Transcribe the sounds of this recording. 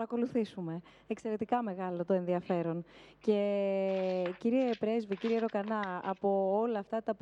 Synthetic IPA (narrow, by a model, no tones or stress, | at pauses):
ɐɾɐko̞luθisume̞ | ekse̞ɾe̞t̪ikɐme̞ɣɐlo̞t̪oe̞nðiɐfe̞ɾo̞nce̞ | ciɾie̞pɾe̞zviciɾie̞ɾo̞kɐnɐːpo̞olɐːft̪ɐt̪ɐp